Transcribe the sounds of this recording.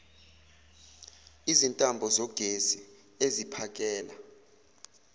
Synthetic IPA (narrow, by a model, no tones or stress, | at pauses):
izintʼambʱɔzɔɡ̥ʱezi | ezipʰak̬ʼɛːla